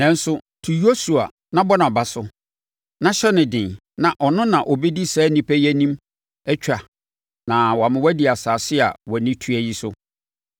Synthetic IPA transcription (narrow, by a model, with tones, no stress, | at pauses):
nɛ̃˦n̩˦sʊ˦tʰu˨jo˦su˨a̰˨ | nã˦bɔ˦nã˨ba˨sʊ˦ | nã˦ɕɛ˦nɪ̃˨dɪ̃˨n | nã˨ʔɔ˨nʊ̃˦nã˨ʔɔ˨bɛ˦di˦sɛː˨˦nĩ˦pʰæ˦jɛ˦nĩ˦m | ɛ˦t͡ɕᶣʰɾa˨ | nã˨wɔ˨a˨mɪ̃˦wæ˦di˨a˨saː˨sɪ˦a̰˨wɔ˨nɪ̃˦tʰu˦æ˨ji˦sʊ˦